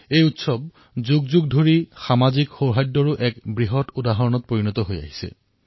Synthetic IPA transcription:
ejutsɔb̚ | zuɡzuɡdʱoɹixamazikxowɦajdːɔɹʊʔɛkbɹiɦɔtudaɦɔɹɔnɔt̚poɹinɔtɔɦoja̰ɦi̥sɛ̰

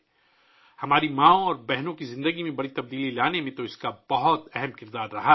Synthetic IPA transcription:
hɐmaːɾimãːõɔːɾbɛɦnõkizɪ̃nd̪əɡimẽbɐɽit̪ɐb̚d̪iːlilaːnemẽt̪oɪskabɐɦɔt̪ɛɦɛmkɪɾd̪aːɾɾɐɦaː

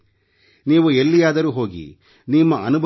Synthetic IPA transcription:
niːʋuelːijaːd̪ɐɾuːɦo̞ːɡḭ | nimːɐɐnubʱ

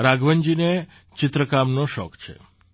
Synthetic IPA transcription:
ɾaɡʋəɲd͡ʒine | t͡ʃɪt̪ɾəkamnoʃɔ̰kt͡ʃʰḛ

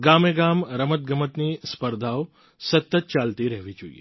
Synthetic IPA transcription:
ɡameɡamɾəmət̪̚ɡəmət̪nispəɾd̪ʱao | sət̪ːət̪̚t͡ʃalt̪iɾəɦʋid͡ʒuḭḛ

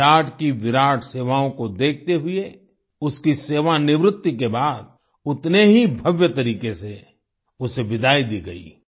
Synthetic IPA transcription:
aːʈʰkiʋɪɾaːʈʰseːʋaːõkod̪eːk̚ʰt̪eɦʊe | ʊskiseːʋanɪʋɾʊt̪ːik̬ebaːd̪̚ | ʊt̪neɦibʱɐʋjət̪ɐɾiːkese | ʊseʋɪd̪ʱaːid̪iːɡɐḭː

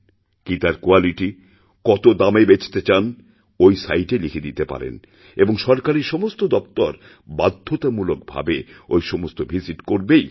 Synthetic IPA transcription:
kit̪aɾkoaliʈi | kɔt̪od̪amebet͡ɕʰt̪et͡ɕan | ojsajʈelikʰid̪it̪epa̰ɾḛn | eboŋʃɔɾkaɾiɾʃɔmost̪od̪ɔpt̪ɔɾ | bad̪ʱːot̪amulok̚bʱa̰beojʃɔmost̪obʱiziʈkoɾbej

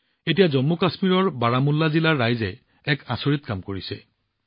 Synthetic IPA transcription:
etijazɔmːukasmiɹɔɹbaɹamulːazilaɹːajzɛ | ɛkasoɹit̪kamkoɹisɛ̰

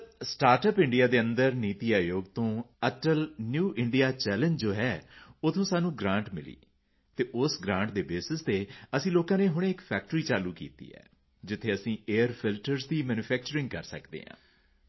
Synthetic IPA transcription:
sʈaːɾʈəpɪ̃ɳɖijaːd̪eːə̃nd̪əɾniːt̪iːaːjoːɡt̪õːət͡ʃəlnjuːʔɪɳɖijaːt͡ʃɛːlə̃ɲd͡ʒd͡ʒoːɦɛːʊt̪ʰõːsaːnũːɡɾãːɳʈmɪlḭː | t̪eːʔʊsɡɾãːɳʈd̪eːbeːsɪst̪eːəsĩːloːkãːneːɦʊɽ̃ːɪkpʰɛːk̚ʈɾiːt͡ʃaːluːkḭːt̪ḭːɛ̰ː | d͡ʒɪt̪ʰːeːəsĩːeːəɾpʰɪlʈəɾzd̪iːmɛːnuːpʰɛːk̚t͡ʃəɾɪ̃ŋɡ̚kəɾsə̰kd̪ḛːɦã̰ː

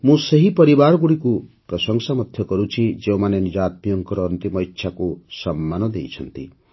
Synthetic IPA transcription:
mũseɦipɔɾibaɾɔɡuɽikupɾɔsɔŋsamɔt̪ʰjɔkɔɾut͡ʃʰid͡ʒeũmanenid͡ʒat̪̚mijɔŋkɔɾɔːnt̪imɔitʰʃʰakusɔmːanɔd̪ḛjt͡ʃʰɔnt̪ḭ

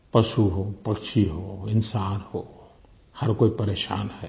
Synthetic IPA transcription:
pɐʃuɦoːpɐkʃiɦoɪnsaːnhoː | hɐɾkoːipɐɾeːʃa̰ːnhɛː

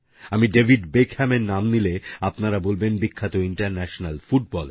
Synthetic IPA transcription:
amiɖebʱiɖbekʰhɛmeɾnamnileapnaɾabolbenbikʰːat̪oiɳʈaɾnɛʃonalfuʈ̚bɔl

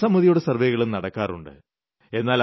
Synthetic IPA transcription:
sɐmuðijoɽesɐrʋeɣɐɭumnɐɽɐkːaːrṵɳɖɨ̰ | e̞nːaːl

